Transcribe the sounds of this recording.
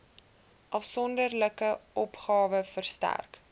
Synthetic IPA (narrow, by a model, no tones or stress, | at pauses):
ʔɐfsɔndərləkəʔɔpχɑːvəfərstæ̰rk